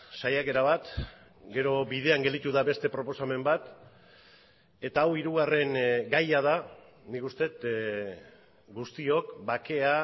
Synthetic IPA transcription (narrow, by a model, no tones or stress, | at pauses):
sajake̞ɾaβat̪ | ɡe̞ɾo̞βið̞e̞aŋɡe̞ld̪it̪uðaβe̞st̪e̞pɾo̞po̞same̞mbat̪ | e̞t̪aːwiɾuɣ̞are̞ŋɡajað̞a | nikust̪e̞t̪ | ɡust̪io̞kbake̞a